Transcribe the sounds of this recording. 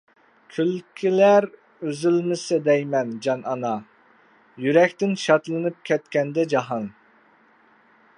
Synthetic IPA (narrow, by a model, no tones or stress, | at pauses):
kʲʰylkʲʰilæɾ | øzylmɪsɪd̪ɛjmɛnd͡ʒɑnɑnɑ | jyɾɛkʲt̪ɪnʃɑt̪lˠɨnɨp̚kʲʰɛt̪kʲɛnd̪ɛd͡ʒɑɦɑn